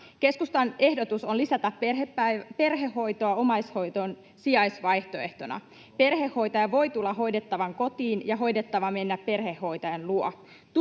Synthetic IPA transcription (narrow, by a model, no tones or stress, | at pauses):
ke̞skust̪ɑne̞hdo̞t̪uso̞nlisæt̪æperepːæpe̞rɦe̞hːo̞jt̪oɑo̞mɑjsho̞jt̪on | siɑjsʋɑjht̪o̞e̞ht̪o̞nɑ̰ | pe̞rhe̞hːo̞jt̪ɑjɑʋo̞jt̪ulːɑɦo̞jde̞t̪ːɑʋɑŋko̞t̪iːnjɑɦo̞jde̞t̪ːɑʋɑme̞nːæpːe̞rhe̞hːo̞jt̪ɑjɑnluo | t̪